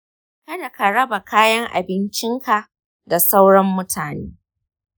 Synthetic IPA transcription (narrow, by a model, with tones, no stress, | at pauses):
kɐ˦da˨ka˨ɽɐ˦ba˨kaː˦jɐ˦ŋʔa̰˨bɪ˦nt͡ʃɪ˦ŋka˨ | da˨sa˦wɽɐ˦mːʊ˦tʰaː˨neː˦